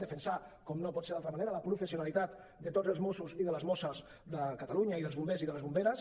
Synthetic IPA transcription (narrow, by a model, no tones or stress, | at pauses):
d̪əfənsakɔmnopɔt̪seɾðalt̪ɾəmaneɾələpɾufəsiunalit̪at̪ | d̪ət̪od͡zəlˠzmosuziðələzmosəz | d̪əkət̪əluɲəiðəlˠzβumbeziðələzβumbeɾəs